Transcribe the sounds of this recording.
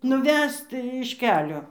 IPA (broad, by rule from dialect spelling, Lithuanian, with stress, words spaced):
nʊˈʋʲɛst ɪʃ ˈkʲæːlʲoː